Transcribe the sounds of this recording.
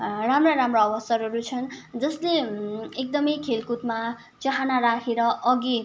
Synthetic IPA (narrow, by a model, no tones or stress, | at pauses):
ramraɾamroʌbʌsʌɾʌɾut͡sʰʌnd͡zʌsleek̚d̪ʌmʌjkʰelkut̪ma | t͡sʌɦanaɾakʰeɾʌʔʌɡi